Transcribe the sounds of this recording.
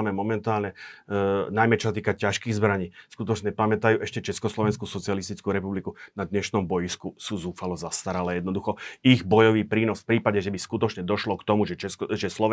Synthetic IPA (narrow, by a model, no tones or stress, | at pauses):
mɛmɔmɛnt̪aːlɲɛ | najmɛt͡ʃɔsat̪̬iːkacaʃkiːɣzbɾaɲiːskut̪ɔt͡ʃɲɛpamɛt̪ajuːʔɛʃcɛt͡ʃɛskɔslɔʋɛnskuːsɔt͡siɪalist̪it͡skuːɾɛpublikunad̪ɲɛʃnɔmbɔjiskusuzuːfalɔzast̪aɾalɛjɛd̪nɔd̪uxɔiɣbɔjɔʋiːpɾiːnɔsfpɾiːpaɟɛʒɛbiskut̪ɔt͡ʃɲɛd̪ɔʃlɔkt̪ɔmuʒɛɛʒɛslɔʋ